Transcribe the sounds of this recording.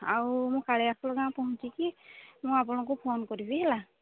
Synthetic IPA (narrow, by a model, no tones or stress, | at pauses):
aumʊ̃kalɛasʰɔlɔɡãpɔɦũt͡ʃikimʊ̃ap̬unak̬ɔpʰonkɔɹibiɦɛla